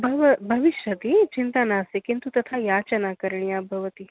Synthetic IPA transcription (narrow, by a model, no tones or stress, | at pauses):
bʱɐʋəbʱɐʋiʃjət̪iːt͡ɕint̪anaəsekint̪ut̪ɐt̪ʰajat͡ɕɐnakəɾɳiabʱəʋət̪iː